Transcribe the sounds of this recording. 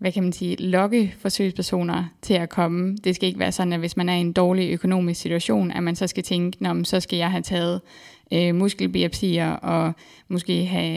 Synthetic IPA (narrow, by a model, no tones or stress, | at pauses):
ʋækʰæmænsiːlɒ̽ɡ̥əfɒ̽sø̰ɪspʰæɐso̝̰ːnɐt͡sʰe̝lækʰɒ̽məd̥e̝sɡ̥æe̝ɡ̥ʋæ̰ːɐsɒ̽d̥n̩æʋe̝smænæɐie̝nd̥ɒːliøkʰo̝no̝̰ːmissit͡sʰuæɕo̝̰ːnæmænsɒ̽sɡ̥æt͡sʰeŋɡ̥ənɒ̽mm̩sɒ̽sɡ̥æjɑ̈ɪɦæt͡sʰɛːð̞̩ˠ | ømusɡ̥l̩b̥iæpʰḭːɐʔɒ̽ | mo̝sɡ̥e̝̰ːɦæ